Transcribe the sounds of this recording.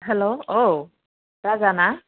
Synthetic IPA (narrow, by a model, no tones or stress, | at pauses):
ɦɛloo | ɹazana